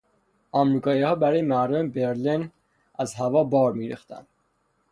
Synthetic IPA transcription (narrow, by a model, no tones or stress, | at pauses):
ɒmɾiːkʰɒːihɒːbæɾɒːjemæɾd̪ombeɾlin | æzɦævɒːbɒːɾmiːɾḭxt̪æ̰nd̪̥